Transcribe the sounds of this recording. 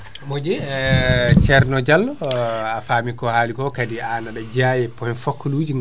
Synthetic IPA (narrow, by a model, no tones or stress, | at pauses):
mod͡ʒɛ | t͡ʃɛɾnɔd͡ʒalːɔafaːmikɔhaːlikɔkadianaɗad͡ʒajɛpɔhɛnfokʰːluːd͡ʒiŋ